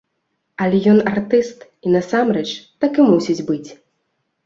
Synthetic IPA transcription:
ɐlʲɛjɔnart̪ɨst̪ | inɐsamrɛt͡ʂt̪akɨmusʲid͡zʲbɨt͡sʲ

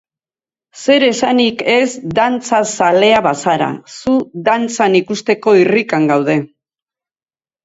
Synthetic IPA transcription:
se̞ɾe̞sanike̞zd̪ant͡sasale̞aβasaɾa̰suðant͡sanikust̪e̞ko̞irikaŋɡawð̞e̞

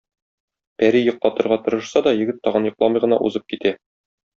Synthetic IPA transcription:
pæɾijŏq̚t̪ɑt̪ŏɾʁɑt̪ɤ̆ɾɤ̆ʃsɑd̪ɒjɘ̆ɡɘt̪ːɒʁɤnjŏqlˠɑmɤjʁɤ̆nɑʔṵzɤp̚kit̪æ

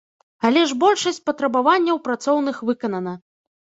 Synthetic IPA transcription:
alʲɛʐbɔlʲʂɐsʲt͡sʲpɐt̪ɾɐbavanʲːɐwpɾat̪sɔwn̪ɨxvɨkɐnɐnɐ

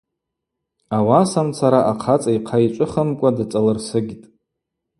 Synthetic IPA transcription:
awasamt͡sʰaɾaʔaqʰat͡sʼaiqʰait͡ʃʷʼʊχəmkʷʼadat͡sʼalɨrsɨɡʲtʼ

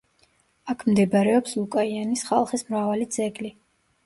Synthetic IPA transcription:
akʰmd̪ɛbaɾɛɔpslˠukʼaianisχa̰lˠχismɾavalid̪z̥ʼɛɡli

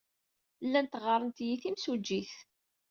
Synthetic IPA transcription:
lːænt̪ʁəɾˤənt̪jiθimsud͡ʒːiθ

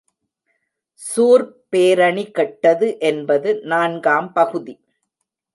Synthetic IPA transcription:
suːɾpeːɾɐɳikɐʈːɐðɯʔɛnbɐðɯnaːnɡaːmpɐɣɯði

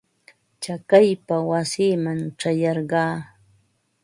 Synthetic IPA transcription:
t͡ʃakajpawasiːmaŋʈ͡ʂajɑɾɢɑː

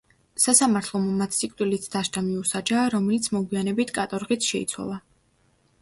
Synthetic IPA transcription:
sasamaɾt̪ʰlˠɔmɔmat̪sikʼt̪ʼilit̪ʰd̪̥aʃt̪ʰʼamiusad͡ʒaːɾɔmɛlit̪sʰmɔɡwianɛbit̪ʰkʼat̪ʼɔɾʁit̪sʰʃɛḭt̪sʰwa̰lˠa

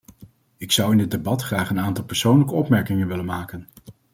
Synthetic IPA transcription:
ɪksʌwɪndɪd̚ebɑtχraːχənaːntɑlˠpɛɹsownləkəɔpmɛɹkɪŋənʋɪlənmaːkən

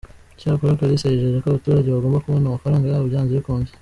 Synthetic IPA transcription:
caːkoɾakaɾiseɾiʒeʒekoβutuːɾaɟeβaɡo̞ːmbakuβo̞namafaɾaːŋɡajaβoβɟaːnziβikoːnze̥

